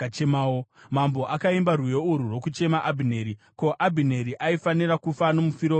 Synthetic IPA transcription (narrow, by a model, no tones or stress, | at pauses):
t͡ʃemaːomambo̞ʔakaimbarwujo̞uɾurwo̞kut͡ʃe̞maʔabʱineɾi | ko̞ʔabʱine̞ɾiʔaifaniɾakufano̞mufiɾo